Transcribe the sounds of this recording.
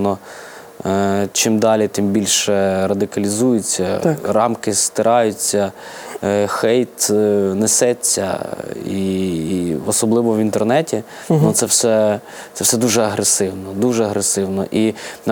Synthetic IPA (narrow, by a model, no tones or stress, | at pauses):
nɔ | t͡ʃɪmd̪ɑlʲit̪ɪmbʲilʲʃɛɾɐd̪ɪkɐlʲizujʊt͡sʲːɐrɑmkɪst̪ɪɾʔɑjʊt͡sʲːɐ | xɛjt̪nesɛt͡sʲːɐ̰i | ɔsɔblˠɪʋɔʋʲint̪ernɛtʲi | nʊt̪sɛwsɛ | sɛwsɛd̪uʒɛɐɦɾesɪwnɔd̪uʒɛɐɦɾesɪwnɔ̰ʔin